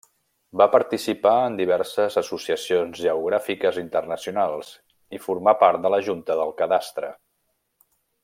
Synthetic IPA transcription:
bapəɾt̪isipaənd̪iβ̞ɛrsəzəsusiəsionzʒəuɣɾafikəzint̪ərnəsiunalˠzs | ifuɾmapaɾt̪̚d̪ələʒunt̪əðəlˠkəðast̪ɾə̰

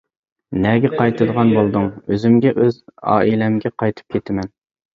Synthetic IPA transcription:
nɛɡʲɛqʰɑjt̪ʰɨd̪əʁɑnbolˠd̪ɨŋøzɪmɡʲɛʔøzɑ̰ːilɛmɡʲɛqʰɑjt̪ʰɨ̥p̚kʲʰet̪ʰɪmɛn

